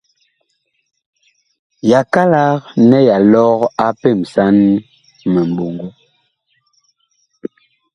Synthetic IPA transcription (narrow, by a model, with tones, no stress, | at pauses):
ja˨ka˦la˦ɣnɛ˦ja˨lɔ˦ɣa˦pɛ˦˨msa˦n | mɛ˨m˨bo˨ŋɡo˦